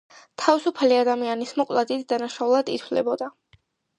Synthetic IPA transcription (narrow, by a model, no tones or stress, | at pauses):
t̪ʰavisupʰaliad̪amianismɔkʼlˠad̪id̪d̪ːanaʃaulˠad̪it̪ʰvlɛ̰bɔd̪a